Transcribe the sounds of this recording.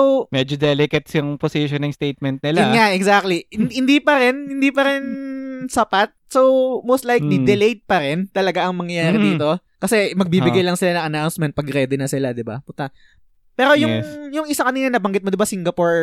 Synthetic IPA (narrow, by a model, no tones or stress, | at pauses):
owmɛd͡ʒod̪ɛlɪkɐt̪sjʊŋposiʃonɪŋst̪ejt̪̚mɛnt̪̚nɪlaŋaʔɛɡsak̚t̪lihɪnd̪iːpɐɾɛnhɪnd̪iːpɐɾɛnsɐpat̪̚sowmowst̪lajknɪd̪ɛlejd̪̚pɐɾɛnt̪ɐlɐɡaʔɐŋmɐŋjɐjaːɾɪd̪iːt̪o̞ | kɐsɛmɐɡ̚biːbɪɡajlɐŋsɪlanɐŋʔɐnawnsmɛnt̪̚pɐɡɾɛd̪ɪnɐsɪlad̪ɪba̰pʊt̪ɐ | pɛːɾo̞jʊjʊŋʔɪsakɐniːnɐnɐbɐŋɡɪt̪̚mod̪ɪbasiŋɡɐpoɹ